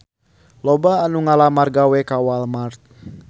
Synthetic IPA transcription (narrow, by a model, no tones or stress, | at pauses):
lɔbaːnuŋalamarɡawɛkawalmart̪̚